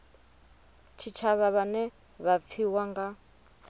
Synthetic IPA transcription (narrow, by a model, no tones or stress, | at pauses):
t͡ʃʰit͡ʃʰaβaβanɛ | βap̪fʰiwaŋɡa